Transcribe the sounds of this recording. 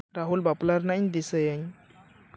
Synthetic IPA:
ɾaɦulbaplaɾnaɲd̪isəjəɲ

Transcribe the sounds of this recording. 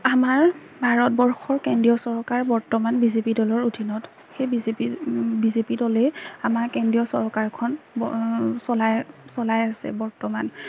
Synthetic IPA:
amaɹ | bʱaɹɔt̚bɔɹxɔɹkendɹijɔsɔɹkaɹbɔɹtɔmanbizepidɔlɔɹudʱinɔt | xejbizeibizepidɔlɛamaɹkɛndɹijɔsɔɹkaɹkʰɔn | sɔlajsɔlajasɛ̰bɔɹtɔman

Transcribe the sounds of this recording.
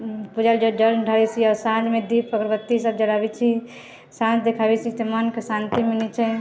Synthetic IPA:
pud͡ʒald͡ʒəɖəlɖʱabit͡ʃʰiɔɾsãd͡ʒmed̪ipːəkɾbət̪ːisəb̚d͡ʒəɽabɛt͡ʃʰi | sãd͡ʒd̪ekʰabɛt͡ʃʰit̪emənkesãnt̪imenit͡ʃʰɛ

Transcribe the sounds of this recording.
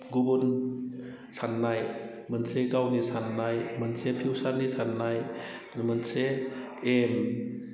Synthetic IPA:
ɡubun | sanːaj | mənseɡawnisanːajmənsepʰiwsanːisanːaj | mənse | em

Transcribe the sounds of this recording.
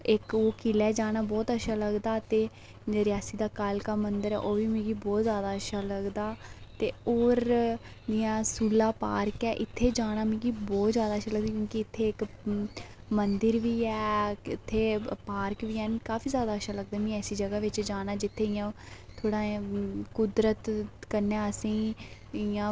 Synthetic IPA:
ɪkoːkilɛːd͡ʒaːnaːbɔːt̪əʃʰaːləɡd̪aːt̪eː | ɾɪjaːsiːd̪aːkaːlkaːmənd̪əɾɛ̰ːʔoːʋiːmẽːɡiːbɔːt̪zjaːd̪aːəʃaːləɡd̪aːt̪eːoːɾ | d̪ɪjãːsuːlaːpaːɾkɛːʔɪt̪ʰːeːd͡ʒaːñaːmĩːɡiːbɔːt̪zjaːd̪aːʃʰaːləɡ̚d̪iːkjõːkɪɪt̪ʰːeːɪk | mənd̪əɾʋiːɛːɪt̪ʰːeːpaːɾkʋiːɛːnkaːfʰiːzjaːd̪aːəʃaːləɡ̚d̪aːmĩːɛːsiːd͡ʒəɡaːʋɪt͡ʃd͡ʒaːɽ̃aːd͡ʒɪt̪ʰːeːɪjãː | t̪ʰoːɽãːkʊd̪ɾət̪kəɾnaːəsĩː | ɪjãː

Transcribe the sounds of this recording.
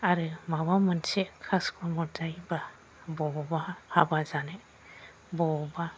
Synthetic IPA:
aɾɯmawamɯnsɛkʰaskʰɔmɔdajba | bɔbahabazanɛ | bɔba

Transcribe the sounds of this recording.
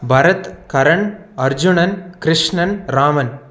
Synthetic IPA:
bʱɐɾɐt̪kɐɾɐɳ | ɐɾd͡ʒuɳɐnkɾɪʂɳɐnɾaːmɐn

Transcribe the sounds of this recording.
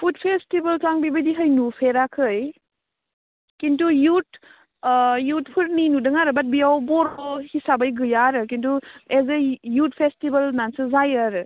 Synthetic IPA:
pʰut̚pʰestibɐlkaŋbibɐdiɦəjnupʰeɾakʰɯj | kintujut̚ | jut̚pʰuɾninudɯŋaɾɯbat̚biawbɔɾɔhisabajɡɯjaɾɯk̬intuezejut̚pʰestibɐlnansɯzajaɾɯ

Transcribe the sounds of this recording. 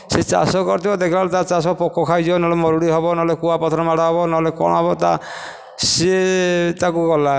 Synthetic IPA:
set͡ʃa̰sɔkɔɾt̪ʰibɔd̪ekʰibalet̪at͡ʃasɔpɔkɔkʰajd͡ʒibɔnɔɔlemɔɾuɽiɦɔbɔnɔɔlekuapɔt̪ʰɔɾɔmaɽaɦɔbɔnɔɦɔlekɔ̰ɽ̃ɔɦɔbɔt̪a̰ | set̪akuɡɔla

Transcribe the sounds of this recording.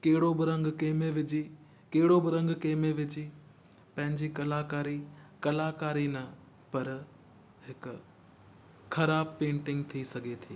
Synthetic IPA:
kɐɦɪɽobɪɾɐ̃ŋɡkeːmẽʋɪd͡ʑi | keɦɪɽobɪɾɐ̃ŋɡkeːmẽʋɪd͡ʑiː | pɐ̃ɦɪ̃ɲd͡ʑikɐlaːkaːɾikɐlaːkaːɾinɐ | pɐɾ | ɦɪk | xɐɾaːb̚pẽːɳʈɪ̃ŋɡ̚t̪ʰisɐɡʱet̪ʰiː

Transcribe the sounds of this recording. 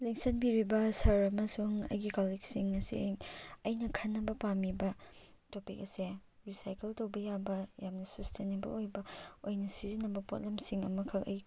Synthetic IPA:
liŋsɐnbiɾibɐsɐɾɐmɐsuŋɐ̰jɡikaliksiŋɐsḭɐjnɐkʰɐnːɐbɐpamibɐ | topik̚ɐse | ɾisajkeltɐwbɐjabɐjamnɐsɐstʰenebɐ̰lojbɐojnɐsizinɐbɐpo̰t̚lemsiŋɐ̰mɐkʰɐkɐ̰j

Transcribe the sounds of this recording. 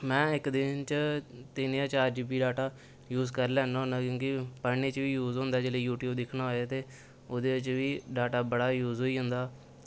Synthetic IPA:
mɛ̃ːɪkd̪ɪnt͡ʃt̪ɪnːjãːt͡ʃːəɾd͡ʒbiːɖaːʈaː | juːzkəɾlɛ̃ːnõːnãːkjõːkipəɽneːt͡ʃʋiːjuːzɦõnd̪aːd͡ʒeːleːjuːʈjuːbd̪ɪkʰnaːɦoːaːt̪eː | ʊd̪eːɪt͡ʃʋiːɖaːʈaːbəɽaːjuːzɦoːiːɦʊnd̪aː

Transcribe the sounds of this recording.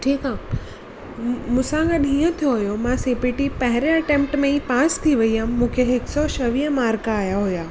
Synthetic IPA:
ʈʰiːkaː | mũːsãɡəɗɦiːə̃t̪ʰijoɦʊjomãsepiʈipɐɦɪɾeɐʈẽːmp̚ʈmẽĩpaːst̪ʰiʋɐiamːũːkʰeɦɪksɔʃɐʋiːɦə̃maːɾkaːjaɦujaː

